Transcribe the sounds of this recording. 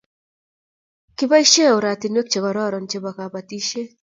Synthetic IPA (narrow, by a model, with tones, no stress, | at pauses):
kɪ˦ba˦i˦ʃe˦o˨ɾa˨t̪ɪ˨nwe˦k̚t͡ʃe˨kɔ˨ɾɔ˦˨ɾɔ˨nt͡ʃe˦ba˨ka˨pa˨t̪i˦ʃe˦